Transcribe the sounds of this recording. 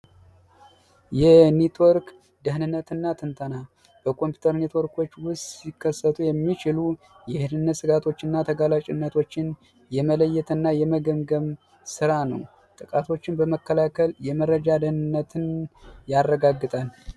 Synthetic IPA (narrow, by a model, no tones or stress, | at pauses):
jɛnet̪ʰwoɾk | d̪əɦnɨnːət̪ɨnːat̪ʰɨnt̪ʰəna | b̥əkʰo̞mpʰju̥t̪ʰəɾnet̪ʰwo̞ɾkʰo̞t͡ʃːwʊst̪sikʰːəsːət̪ʰujɛmːit͡ʃɪlu | jɛhɨnɨnːət̪sɨɡat̪ʰo̞t͡ʃːɨnːat̪ʰəɡalat͡ʃʼɪnːət̪ʰo̞t͡ʃːɪn | jɛmələjːɛt̪ʰɨnːajɛməɡəmɡəm | sɨɾanə̰w | t̪ʼɨkʼat̪ʰo̞t͡ʃːɪnbəməkːəlakʰəljɛməɾəd͡ʒad̪əhnɨnːət̪ʰɨnjarːəɡaɡːɨt̪ʼal